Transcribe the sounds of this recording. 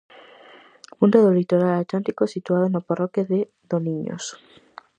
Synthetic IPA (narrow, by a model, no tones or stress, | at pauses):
ũnd̪eðolit̪oɾalat̪lant̪ikosit̪uað̞onoparɔkjeðe | ðonĩɲo̰s